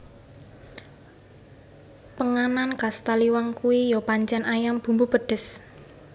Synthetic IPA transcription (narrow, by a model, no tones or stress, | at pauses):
pəŋanankast̪aliwaŋkuwijɔpaɲt͡ʃɛnʔajamb̥ṳmbub̥ə̤ɖ̥ə̤s